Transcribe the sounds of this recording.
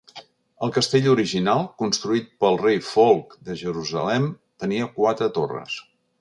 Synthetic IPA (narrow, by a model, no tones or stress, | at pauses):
əlˠkəst̪eʎuɾiʒinalˠkunst̪ɾuit̪̚pəlˠrejfolˠkd̪əʒəɾuzə̰lɛm | t̪əniəkwat̪ɾət̪orə̰s